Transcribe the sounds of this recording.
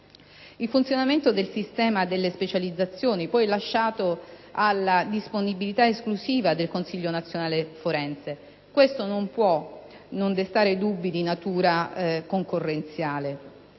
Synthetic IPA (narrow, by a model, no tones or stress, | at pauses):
ilfunt̪sjonament̪od̪elsist̪ɛːmad̪elːespet͡ʃalid̪zːat̪sːjoːnipɔjlaʃːaːt̪oalːad̪isponibilit̪aesklusiːvad̪elkonsiʎːonat̪sːjonaːlefoɾɛnt̪se | kwest̪onompwɔ | nond̪est̪aːɾed̪ubːid̪inat̪uːɾakoŋkorːent̪sjaːle